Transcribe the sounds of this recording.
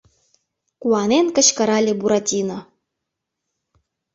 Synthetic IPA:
kuɑnenkə̆ɕkɤ̆ɾɑlʲebuɾɑtʲino

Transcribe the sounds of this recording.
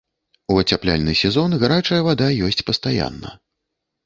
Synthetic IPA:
uɐt͡sʲaplʲa̰lʲnɨsʲɛzɔnɣaɾat͡ʂɐjɐvad̪ajɔsʲt͡sʲpɐst̪aja̰nːɐ̰

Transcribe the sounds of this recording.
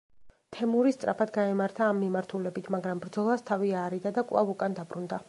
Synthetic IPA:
t̪ʰɛmuɾist̪sʼɾa̰pʰad̪ɡaɛmaɾt̪ʰaːmːimaɾt̪ʰulɛbit̪ʰmaɡɾambɾd̪zɔlˠast̪ʰaviaːɾid̪ad̪akʼlˠa̰vukʼand̪abɾund̪a

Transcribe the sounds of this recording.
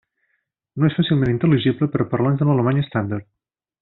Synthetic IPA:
noesfasilˠmẽnint̪əliʒibləpəɾɔpəɾlanzðələləmaɲəst̪and̪əɾt̪

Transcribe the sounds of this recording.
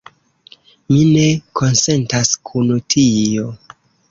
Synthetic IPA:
mine̞ko̞nse̞ntaskʰunutʰio

